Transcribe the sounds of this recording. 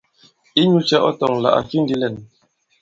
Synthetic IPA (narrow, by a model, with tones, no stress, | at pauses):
i˦ɲu˦t͡ʃɛ˦ʔɔ̰˦tɔ˨ŋla̰˨ʔa̰˨fi˦ndi˦lɛ˨n